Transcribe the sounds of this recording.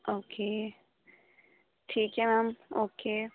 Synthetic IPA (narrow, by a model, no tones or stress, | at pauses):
ʔoːkʰeː | ʈʰiːkɦɛmaːmoːke